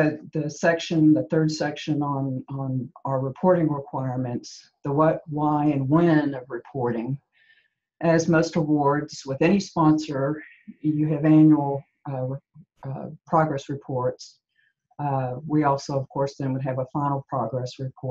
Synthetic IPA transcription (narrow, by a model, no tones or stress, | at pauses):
ɨðɨsɛkʃɨ̃nðəθɜ˞d̥sɛkʃɨ̃nə̃nə̃nəə˞ɹɨpʰɔɹɾɪ̃ŋɹɪkʰw̥aɪɹmɨ̃nts | ðəwʌt̚waɪɨ̃nwɛ̃nʌvɹɨpʰɔɹɾɪ̃ŋ | ʔɨzmoʊstəwɔɹdz̥wɨðɛñispɑ̃nsə˞ | jɨɨvæ̃njul̩ˠ | pʰɹ̥ɑɡɹɛsɹɨpʰɔɹts | wiɔlˠsoʊʌv̥kʰɔɹsðɨ̃nwəɾ̚ɨvəfãɪ̃nl̩ˠpʰɹ̥ɑɡɹɛsɹɨpʰɔɹt̚